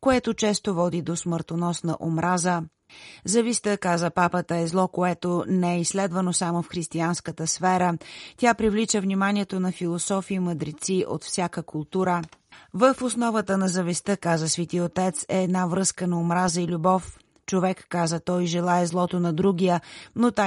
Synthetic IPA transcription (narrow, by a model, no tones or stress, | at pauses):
koɛt̪ot͡ʃɛst̪ovɔd̪id̪osməɾt̪onɔsnə̰ʔomɾʔazə | zɐvist̪əkazəpapət̪əɛzlˠɔkoɛt̪onɛɛisːlɛd̪vənosamofxɾist̪ianskət̪əsfɛɾət̪ʲapɾivlit͡ʃəvnʲimanʲiɛt̪onɐfilˠosɔfiːməd̪ɾit̪siʔo̰t̪fsʲjakəkʊlˠt̪uɾəvəfosnɔvət̪ənɐzəvist̪əkazəsvit̪iot̪ɛt̪sɛːd̪navɾɤskənɐomɾazəilʲubɔf | t͡ʃovɛkːazət̪ɔjʒɛlˠaɛzlˠɔt̪onɐd̪ɾuɡ̟ijənot̪a